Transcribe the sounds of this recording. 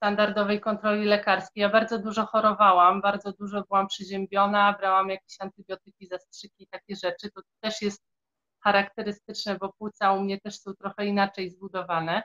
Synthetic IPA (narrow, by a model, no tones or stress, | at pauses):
st̪and̪aɾd̪ɔvɛjkɔnt̪ɾɔlʲilɛkaɾskʲejabaɾd̪zɔd̪uʐɔxɔɾɔvawambaɾd̪zɔd̪uʐɔbɘwampʂɘʑɛmbʲjɔnabɾawamjakʲeɕant̪ɘbʲjɔt̪ɘkʲizastʂɘkʲiːt̪akʲɛʐɛt͡ʂɘt̪ɔt̪ɛʂjɛst̪̚ | xaɾakt̪ɛɾɘst̪ɘt͡ʂnɛbɔpɘt̪saumɲɛt̪ɛʂsɔ̃w̃t̪ɾɔxɛinat͡ʂɛjzbud̪ɔvanɛ